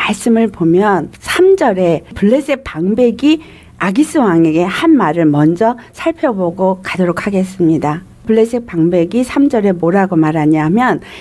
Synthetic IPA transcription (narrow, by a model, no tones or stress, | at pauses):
maɭs͈ɯmɯɭpomjʌnsʰamd͡ʑʌɾe̞puɭːe̞s͈ep͈aŋbe̞ɡi | aɡis͈ɯwaŋeɡe̞hanmaɾɯɭmʌnd͡ʑʌsʰaɭpʰjʌboɡokadoɾokʰaɡe̞s͈ɯmɲida | pɯɭːe̞s͈ʰep͈aŋbe̞ɡisʰamd͡ʑʌɾe̞moɾaɡomaɾɦaɲamjʌn